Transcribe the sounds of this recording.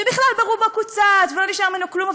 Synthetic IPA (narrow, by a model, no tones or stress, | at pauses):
ebiχlalbaʁubakut͡sat̪veloniʃaʁmenukluma